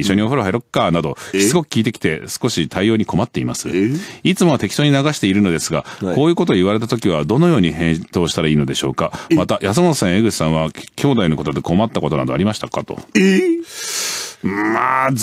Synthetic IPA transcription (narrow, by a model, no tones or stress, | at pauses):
iɕːoɲ̟io̞ɸɯ̟ɾoɦeɾo̞kːanad̪o̞çi̥t͡sɨɡo̞kɯ̟kʲiːt̪e̞kʲi̥t̪e̞sɨ̥ko̞ɕit̪ʰaijo̞ːɲ̟iko̞mat̪ːe̞imasɨit͡sɨmo̞t̪e̞kʲi̥t̪o̞ːɲ̟inaɡaɕi̥t̪e̞iɾɯ̟no̞d̪esɨɡako̞ːjɯ̟ːko̞t̪o̞iβaɾe̞t̪at̪o̞kʲiβ̞ad̪o̞no̞jo̞ːɲ̟ihẽ̞ɰ̃t̪o̞ːɕi̥t̪aɾaiːno̞d̪e̞ɕo̞̰ːkamat̪ajʔas̬ɨmot̪osãɰ̃eɡɯ̟ɕi̥sãβ̞akʲʰo̞ːd̪aino̞ko̞t̪od̪eko̞mat̪ːako̞t̪o̞na̰d̪o̞a̰ɾʲimaɕi̥t̪akat̪o̞̰ | a